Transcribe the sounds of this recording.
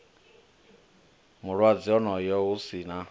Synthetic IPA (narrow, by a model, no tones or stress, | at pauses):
mʊɾwad͡zɪɔnɔjɔɣʊsina